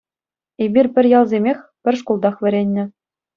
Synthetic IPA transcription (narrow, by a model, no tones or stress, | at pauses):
ebʲirʲpʲɘ̆rʲjɑlˠzʲemʲexʲpʲɘ̆rʲʂ̬kolˠd̪ɑχʋʲɘ̆ɾʲenʲːɘ̆